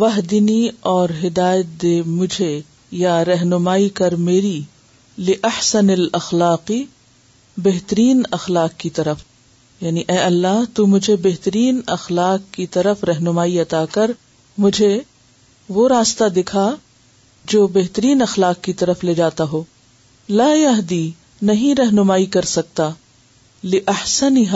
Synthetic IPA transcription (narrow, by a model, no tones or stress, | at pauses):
ʋɐɦd̪ɪniɔːɾɦɪd̪aːjət̪̚d̪eːmʊd͡ʒʱe | jaɾɐɦnʊmaːikɐɾmeːɾi | lɪʔɐħsɐnɐlɐxlaːqi | beɦt̪əɾiːnɐxlaːqkit̪ɐɾəf | jaːniʔɛːɐlːaːɦt̪umʊd͡ʒʱebeɦt̪əɾiːnɐxlaːqkːit̪ɐɾəfɾɐɦnʊmaːiɐt̪aːkɐɾ | mʊd͡ʒʱe | ʋoɾaːst̪ad̪ɪkʰa | d͡ʒoːbɛɦt̪əɾiːnɐxlaːqkit̪ɐɾəfleːd͡ʒaːt̪aɦoː | laːjɐɦd̪i | nɐɦĩɾɐɦnʊmaːikɐɾsɐk̚t̪a | lɪʔɐħsɐnɪɦa